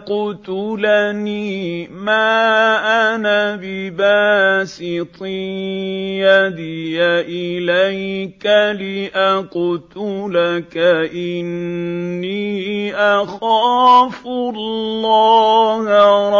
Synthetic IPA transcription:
qʊt̪ʊlaniːmaːʔanabɪbaːsɪt̪ˤɪː | jad̪ɪjaʔɪlajkalɪʔaqʊt̪ʊlakaʔɪnː | iːʔaxaːfllːɑːhɾˤ

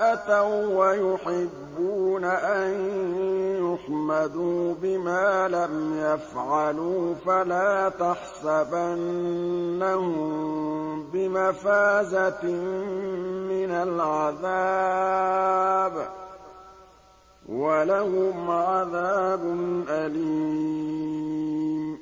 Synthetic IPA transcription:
ʔat̪awwajʊħɪbːuːnaʔan | jʊħmad̪uːbɪmaːlamjafʕɑluːfalaːt̪aħsabanː | ahʊm | bɪmafaːzat̪ | mɪnalʕaða | b | walahʊmʕaðaːbʊnʔaliː | m

